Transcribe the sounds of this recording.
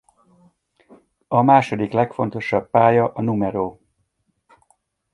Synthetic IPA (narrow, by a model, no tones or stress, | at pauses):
ɒmaːʃo̞d̪iklɛkfo̞nt̪o̞ʃɒbːaːjɒʔɒnumɛɾoː